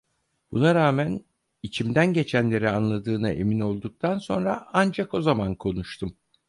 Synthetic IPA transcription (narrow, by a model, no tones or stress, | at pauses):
b̥unaɾaːmæn | it͡ʃʰimd̪ænɟe̞t͡ʃʰænlʲe̞ɾianlˠad̪ɯːnaʔe̞̰mino̞lˠd̪uk̚t̪ʰanso̞̰nɾaand͡ʒako̞zamankʰo̞nuʃt̪ʰum